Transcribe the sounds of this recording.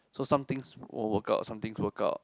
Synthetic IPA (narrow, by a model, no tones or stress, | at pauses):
sosãmt̪ɪ̃ŋsw̰wəka̰ʊtsãmt̪ĩŋswəka̰ʊt̚